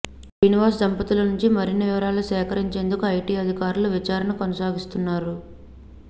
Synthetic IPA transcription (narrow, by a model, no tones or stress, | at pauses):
d͡ʒiːniʋaːs̬d̪ɐmpɐt̪ulɐnuɲt͡ʃimɐɾiniʋiʋɐɾaːlusɛːkɐɾiɲt͡ʃe̞ːnd̪ukuɐjʈiːɐd̪ʱikaːɾuluʋit͡ʃaːɾɐnɐkonɐsaːɡist̪unːaːɾu